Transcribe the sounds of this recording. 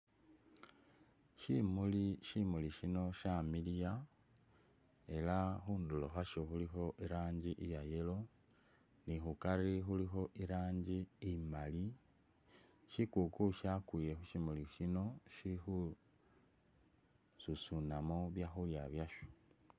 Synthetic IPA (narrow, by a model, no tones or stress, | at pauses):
ʃimuliʃimuliʃino̞ʃamilja | e̞laxuːndulo̰xaʃoxulixo̞ʔiɾaːɲɟiʔijajelo̞ | nixukaɾixulixo̞ʔiɾaːɲɟiimali | ʃikukuʃakuje̞xuʃimuliʃino̞ʃixu | susunamoβjaxuljaβjaʃo̥